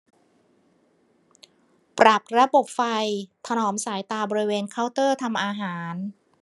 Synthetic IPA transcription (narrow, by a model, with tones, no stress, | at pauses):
pɾa˨˩p̚ɾa˧bo˨˩p̚fa˧jt̪ʰa˧nɔː˩˦msaː˩˦jt̪aː˧bɔː˧ɾi˦˥weː˧nkʰaː˧˥˩wt̪ɤː˥˩t̪ʰa˧mʔaː˧ɦaː˩˦n